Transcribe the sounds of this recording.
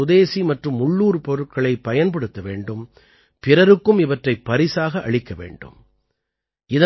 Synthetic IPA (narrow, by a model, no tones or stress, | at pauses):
ʊðeːsimɐʈrɯmːʊɭːuːɾpɔɾɯʈ̚kɐɭɐɪpɐjɐnpɐɽɯt̪ːɐʋeːɳɖɯm | pɪɾɐɾɯkːɯmɪʋɐʈrɐɪpːɐɾɪsaːɣɐʔɐɭɪkːɐʋḛːɳɖɯ̰m | ʔɪðɐ